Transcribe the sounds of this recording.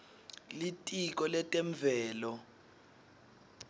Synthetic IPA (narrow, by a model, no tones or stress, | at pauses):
litʼik̬ɔlɛtʼɛɱb̪vʱɛːlɔ